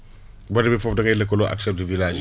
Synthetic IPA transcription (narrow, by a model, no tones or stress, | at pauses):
bɐdɐbɛfɔfdɐkɐjlɐkːɔlɔʔa̰ksɛp̚təvilaːd͡ʒ